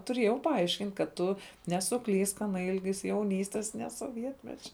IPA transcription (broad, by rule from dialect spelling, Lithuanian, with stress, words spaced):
tʊˈrʲeːjɛʊ pɐˈɐɪʃʲkʲɪnʲtʲ kɐt ˈtʊ nʲɛsʊˈklʲiːsk ˈɑːnɐ ˈɪlʲɡʲɪs jɛʊˈnʲiːsʲtʲɛs nʲɛ soːˈʋʲiɛtʲmʲɛt͡ʃʲɛ